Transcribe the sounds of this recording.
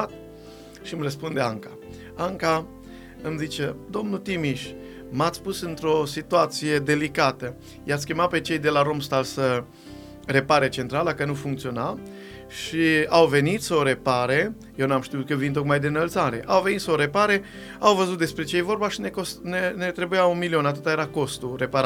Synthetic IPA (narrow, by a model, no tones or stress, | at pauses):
t̪̚ | ʃimrəspund̪eaŋkḁ | aŋka | ɨmzit͡ʃed̪o̞mnut̪imiʃʲ | mat̪sʲpusɨnt̪ɾo̞sit̪uat̪sije̞d̪e̞likat̪ə | jat̪sʲkʲemape̞t͡ʃe̞jd̪e̞laɾo̞mst̪alsə | re̞paɾet͡ʃe̞nt̪ɾaləkənufuŋkt̪sio̞na | ʃiawve̞nit̪səoɾe̞paɾe | jewnuamʃt̪iut̪̚kəvint̪o̞kmajd̪enəlt̪saɾe̞̰ʔawve̞nit̪səoɾe̞paɾe̞ | awvəzut̪d̪e̞spɾe̞t͡ʃe̞jevo̞rbaʃinekosnenet̪ɾebujawunmilio̞nat̪ɨt̪aje̞ɾako̞st̪ure̞paɾa